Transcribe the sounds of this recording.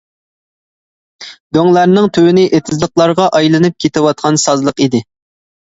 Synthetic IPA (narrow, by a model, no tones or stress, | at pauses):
d̪øŋlˠæɾnɪŋt̪ʰywɪnɪʔet̪ʰɪzlˠəqlˠɑɾʁɑʔɑjlˠɨnɨp̚kʲʰet̪ʰɪwɑt̪̚qʰɑnsɑzlˠəqid̪ɪ